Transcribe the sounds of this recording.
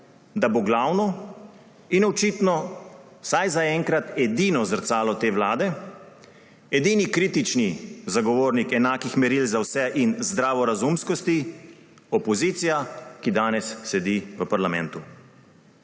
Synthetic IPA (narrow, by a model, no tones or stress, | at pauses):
d̪aboɡlaːwnɔ | inɔt͡ʃit̪nɔ | sajzaɛŋkɾat̪ɛd̪iːnɔzəɾt̪saːlɔt̪eːwlaːd̪ɛ | ɛd̪iːnikɾiːt̪it͡ʃnizaɡɔʋoːɾnikɛnaːkixmɛɾilzawsɛʔinzd̪ɾaːʋɔɾazumskɔst̪i | ɔpɔziːt̪sijakid̪aːnɛsːɛd̪iʋəpaɾlamɛ̰̃nt̪u